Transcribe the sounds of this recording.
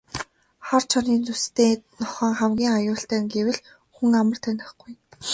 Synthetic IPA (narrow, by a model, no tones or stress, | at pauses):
χɔrt͡ɕʰɔniːnt͡sust̪eːnɔχœ̆ːŋχæmɡʲiːŋajʊːɬt̪æːŋɡewɘ̆ɮ | xuŋamə̆r̥t̪ʰænʲɪ̆χɡ̥uj